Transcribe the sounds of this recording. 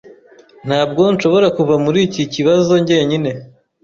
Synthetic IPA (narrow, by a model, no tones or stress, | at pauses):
n̥haːb̚ɡo̞nʃo̞βo̞ɾakuvamuɾiːciciβazo̞ɲɟe̞ɲine̞